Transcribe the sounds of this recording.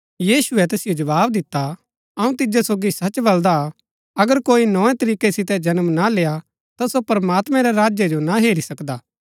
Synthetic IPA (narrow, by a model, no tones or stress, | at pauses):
jiːsʊɛt̪eːsɪjod͡ʒɐʋaːbd̪ɪt̪ːa | ɐũt̪ɪd͡ʒesoːɡisɐt͡ʃbɐld̪a | ɐɡəɾkoːinɔ̃ːɛ̃t̪ɐɾiːkesɪt̪ɛd͡ʒɐnəmnaleːa | t̪asopɐɾmaːt̪mɛ̃ɾɛɾaːd͡ʒjed͡ʒonaɦeːɾisɐkd̪aː